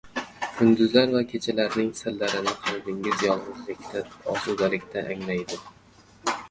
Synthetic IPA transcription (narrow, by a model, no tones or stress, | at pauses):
kʰʊnd̪ʊzlaɾvakʲʰet͡ʃʰalaɾnɪŋsɪlːaɾɪnɪqʰɑlˠd̪ɪŋɪzjɒlˠʁʊzlɪk̚ʲt̪ʰaɒsud̪alɪkʲt̪ʰaʔaŋlajd̪ɪ